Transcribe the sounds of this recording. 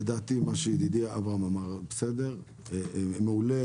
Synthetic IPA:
ed̪aːt̪imaʃeid̪id̪iaavaamamaʁbesed̪eʁ | meule

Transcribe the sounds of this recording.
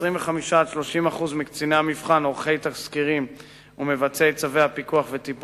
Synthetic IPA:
ʁimveχamiʃaːdʃlo̞ʃimaχuzmikt͡sineamifχanoʁχe̞jt̪aχskiʁim | ume̞vat͡seːtt͡saveapikuaχvet̪ip

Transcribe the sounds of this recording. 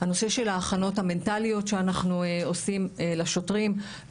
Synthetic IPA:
hano̞se̞ʃe̞laːχano̞thame̞ntalijo̞tʃeanaχnuo̞simlaʃo̞tʁim

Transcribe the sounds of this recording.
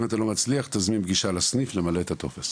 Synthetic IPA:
mat̪alo̞mat͡sliaχt̪azminbɡiʃalasniflemalet̪at̪o̞̰fes

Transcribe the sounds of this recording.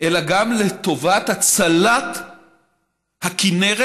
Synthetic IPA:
ʔelaɡamlet̪o̞vat̪hat͡salat̪ | hakineʁ

